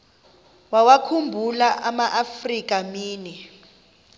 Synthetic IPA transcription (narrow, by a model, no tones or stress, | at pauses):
wawakʰumbʱulaʔamaʔafrik̬ʼamiːnɛ